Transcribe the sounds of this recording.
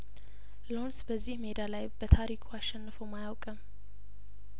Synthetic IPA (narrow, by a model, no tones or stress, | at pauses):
lonsbəzːihmed̪alajbət̪ʰaɾikʰuasʃːɛnːɨfəwmajawkʼəm